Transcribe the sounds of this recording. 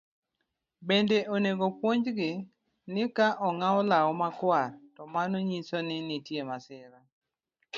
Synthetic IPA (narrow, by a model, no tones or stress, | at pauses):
bendeʔoneɡopwoɲd͡ʒɡɪ | nɪkaʔɔŋaɔlaɔmakwartɔmanoɲisonɪnɪtjemasɪɾa